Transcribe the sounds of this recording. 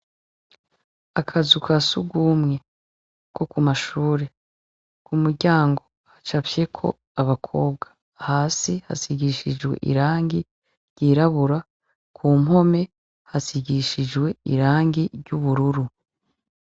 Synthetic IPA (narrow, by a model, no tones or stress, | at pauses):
akʰazukʰasuɡumŋe̞ | kʰo̞kumaʃuːɾe̞ | kumuɾɟaːŋɡo̞ | hat͡ʃafje̞kʰo̞̰ | aβakʰo̞ːbɡḁ | haːsiha̰siɟiʃid͡ʒwe̞̰ʔḭɾaːŋɡi | ɾɟiːɾaβuɾa | kʰuːmɦo̞me̞ | hasiɟiʃid͡ʒwe̞ḭɾaːŋɡiɾɟuβuɾuɾu